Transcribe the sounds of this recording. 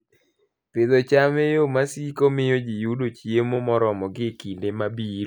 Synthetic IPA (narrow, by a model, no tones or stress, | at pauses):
pɪd̪ɔt͡ʃamejomasikomɪjod͡ʒijudot͡ʃjemomɔɾɔmɔɡɪkindemabiɾ